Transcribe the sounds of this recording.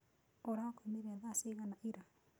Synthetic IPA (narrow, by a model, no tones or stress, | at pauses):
oɾakemeɾɛaðaseɣanaʔiɾa